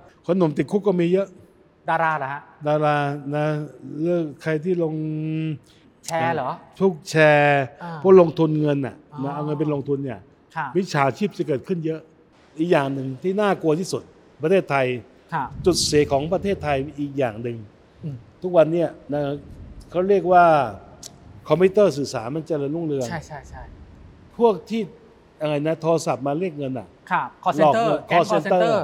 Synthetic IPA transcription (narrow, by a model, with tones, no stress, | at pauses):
kʰa˧no˨˩˦mt̪i˨t̪̚kʰu˦˥kːɔː˥˩miː˧jɤ˦˥ʔ | daː˧ɾaː˧la˨˦ha˦˥daː˧ɾaː˧na˦˥lɯ˥˩əkʰːa˧jt̪ʰiː˥˩lo˧ŋ | t͡ɕʰɛː˧lɔː˩˦t̪ʰu˦˥˩k̚t͡ɕʰɛː˧ɔ˦˥˨lo˧ŋt̪ʰu˧nŋɤ˧nʔa˨˩na˦˥ʔa˧wŋɤ˧npe˧nloː˧ŋt̪ʰu˧nːi˧˥˩ɐ˧ | wi˦˥t͡ɕʰaː˩˦t͡ɕʰiː˥˩p̚t͡ɕa˧˩k̬ɤː˨˩t̪̚kʰɯ˥˩njɤ˦˥ʔ | ʔiː˨˩k̚jaː˨˩ŋnɯ˨ŋt̪ʰiː˥˩naː˥˩ku˧ɐt̪ʰiː˥˩su˨˩t̪̚ | pɾa˧t̪ʰeː˥˩t̪ʰːa˧jʰ | t͡ɕu˨˩t̪̚seː˨˩˦kʰɔː˩˦ŋpɾa˧t̪ʰeː˥˩t̪ʰːa˧jʔiː˨˩k̚jaː˨˩ŋnɯ˨˩ŋ | t̪ʰu˦˥k̚wa˧nːi˦˥ɐna˦˥˧kʰa˦˥wɾi˥˩ək̚waː˥˩ | kʰɔ˧mpʰiː˦˥t̪ɤː˥˩s̬ɯː˨˩saː˩˦nma˧nt͡ɕa˨lɯ˧lu˥˩ŋlɯ˧əŋ˥ | pʰu˥˩ək̚t̪ʰiː˥˩ | a˧ŋa˧jna˦˥t̪ʰoː˧sa˨˩p̚maː˧ɾi˥˩ək̚ŋɤ˧nʔa̰˨˩˧lɔː˨˩kːkʰɔː˧˥se˧nt̪ɤː˥˧˩